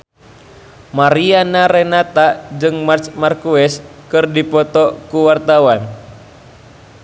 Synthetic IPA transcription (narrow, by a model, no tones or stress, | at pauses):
maɾianaɾɛnat̪ad͡ʒɨŋmat͡ʃmarkuɛskɨrdipɔt̪ɔkuwart̪awan